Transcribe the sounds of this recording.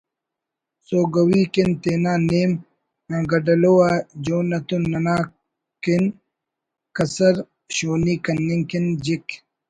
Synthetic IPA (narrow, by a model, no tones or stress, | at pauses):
soːɡɐwiːkint̪eːnaːneːm | ãɡɐɖɐlowad͡ʑoːnɐt̪unːɐnaː | kin | kɐsɐɾ | ɕoːniːkɐnːiŋkind͡ʑik